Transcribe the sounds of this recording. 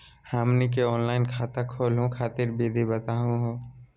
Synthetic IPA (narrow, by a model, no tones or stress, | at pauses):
haːmnikeɔːnlaːɪnkʰaːt̪akʰoːlɦõkʰaːt̪ɪɾbeːd̪ʱibɐt̪aːɦũɦõː